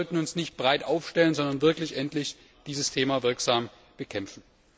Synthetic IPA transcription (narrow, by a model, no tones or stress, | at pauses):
ɔltn̩ʊnsnɪçt̚b̥ʁaɪtʔaʊfʃtɛlənzɔndɐnvɪɐklɪçʔɛntlɪç | d̥iːzəstʰeːmaːvɪɐkz̥aːm | b̥əkʰɛmfn̩